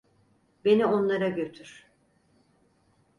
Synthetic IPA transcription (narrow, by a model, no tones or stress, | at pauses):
be̞nio̞nlˠaɾaɟøt̪ʰyɾ̥